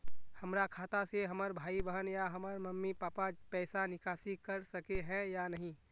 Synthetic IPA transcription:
hɐmɾakʰaːt̪aseɦəməɾbʱaːibəɦənjaɦɐməɾməmːipaːpapɛːsanɪkaːsikəɾsəkeɦɛ̃janəɦĩ

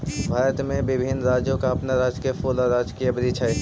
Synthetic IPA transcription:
bʱaːɾət̪mẽbɪbʱɪnɾaːd͡ʒjõkaɐpnaɾaːd͡ʒkefoːlaɾaːd͡ʒkiɐbɾit͡ʃʰa

